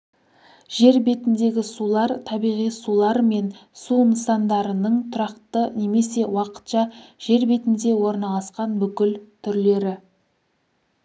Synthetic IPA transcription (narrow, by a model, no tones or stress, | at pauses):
ʒ̥e̞ɾbe̞t̪ɪnd̪e̞ɡʲɪsulˠɑɾt̪ʰɑbijʁijsulˠɑɾme̞nsunəsɑnd̪ɑɾənəɴt̪ʰʊɾɑqt̪əne̞me̞se̞wɑqə̥t̪ʃɑʒ̥e̞ɾbe̞t̪ɪnd̪e̞wo̞ɾnɑlˠɑsqɑnbʏkʲɪlt̪ʰʏɾle̞ɾɪ